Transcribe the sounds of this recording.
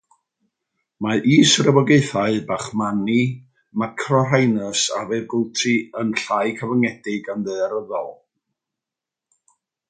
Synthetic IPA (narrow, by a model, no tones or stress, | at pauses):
maʔiːsrəbɔɡeɨθaɨbaχmani | makʰrɔrajnəsa̰vɛrɡʊlˠtʰiənɬajkʰəvaŋɛdɪɡanðɨaɾəðɔlˠ